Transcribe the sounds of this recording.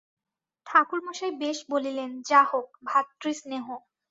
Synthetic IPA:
t̪ʰakulmoʃajbeʃbolilend͡ʑaɦok̚bʱat̪ːɾisneɦo

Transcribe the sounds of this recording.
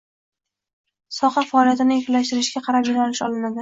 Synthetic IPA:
sɒqɑfaːlijat̪ɪnɪekʲʰɪlaʃt̪ɪɾɪʃɡʲaqʰɑɾapjɪnɒlɪʃɒlɪnad̪ɪ

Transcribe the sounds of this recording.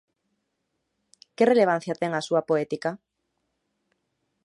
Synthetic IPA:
kereleβ̞ãn̟θjat̪eŋasuapoet̪ika

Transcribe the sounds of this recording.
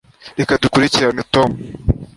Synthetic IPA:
ɾekadukuɾiciɾanitomu

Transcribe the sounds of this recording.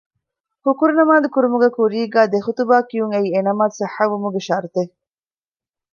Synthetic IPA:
hukuɾunɐmaːd̪ekuɾumuɡekuɾiːɡæːd̪exut̪ubaːkijuŋeienɐmaːt̪sɐħːɐʋːumuɡeʃɐɾt̪e

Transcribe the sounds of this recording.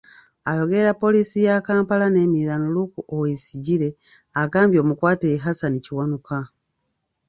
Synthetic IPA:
ajo̞ɡe̞ɾapːo̞lisijakaːmpalane̞ːmiɾanolukuʔowesiɟiɾe̞ | aɡaːmbjo̞ːmukwaːteɦasaniciwanuka

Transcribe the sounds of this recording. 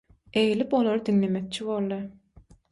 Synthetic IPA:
e̞jilipo̞lˠoɾɯd̪iŋle̞mek̚t͡ʃʰiβolˠːɯ

